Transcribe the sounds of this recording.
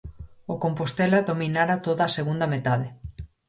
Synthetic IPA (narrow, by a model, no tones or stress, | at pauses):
ʊkompost̪ɛlaðominaɾat̪oðaːseɣund̪ɐmet̪aðe